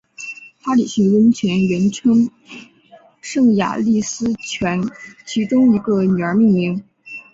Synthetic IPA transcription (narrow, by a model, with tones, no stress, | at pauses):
pa˥li˨˩ɕi˧˥ŋwə˧˥nt͡ɕʰɥɛ˧˥nɥɛ˧˥nʈ͡ʂʰɤ˥ŋ | ʂɤ˥˩ŋja̰˨˩li˥˩sɹ̩˥t͡ɕʰɥɛ˧˥nt͡ɕʰi˧˥ʈ͡ʂʊ˥ŋi˧˥ɡə˧ny˨˩ə˞˧˥mi˥˩ŋmi˧˥ŋ